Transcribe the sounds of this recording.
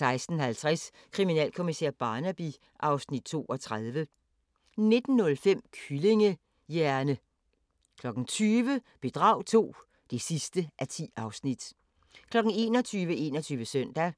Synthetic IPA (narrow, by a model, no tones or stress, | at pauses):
sɑ̈ɪsd̥n̩hælt͡sʰʁɛs | kʰʁiminɛ̰ːlkʰo̝misḛɐ̰b̥ɑ̈ːnæb̥i | ʔɑ̈ʊsnid̥̚t͡sʰo̝̰ːʔɒ̽t͡sʰʁaðˠʋə | ne̝d̥n̩ːɔ̽lfem̰kʰyle̝ŋə | jæɐnə | kʰlɒ̽ɡ̥n̩t͡sʰyːʋə | b̥e̝d̥ʁɑ̈ʊ̰t͡sʰo̝̰ː | d̥e̝sisd̥əʔæt͡sʰḭːɑ̈ʊsnid̥ | kʰlɒ̽ɡ̥n̩e̝ːnɒt͡sʰyːʋəʔe̝ːnɒt͡sʰyːʋəsœn̰d̥æ